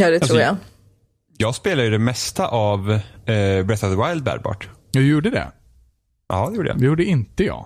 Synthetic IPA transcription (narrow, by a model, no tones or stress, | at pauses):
jɑd̪ɛɾuːja | jɑːɡspeːlaəjəd̪ɛmɛst̪aʔav | bɾɛt̪avðəwaɪld̪̚bæ̰ːɾbɑ̰ːʈjɑjuːɖəd̪ɛ̰ | ʔɑ̰ːd̪ɛjuːɖəj̰d̪ɛjuːɖəɪnt̪əjɑ̰ː